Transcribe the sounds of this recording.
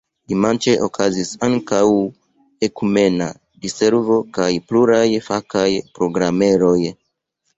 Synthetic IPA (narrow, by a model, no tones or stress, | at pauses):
dimant͡ʃeʔokʰazisaŋkaw | e̞kume̞na̰ | dise̞ɾvo̞kajpluɾajfakajpɾo̞ɡɾame̞ɾo̞j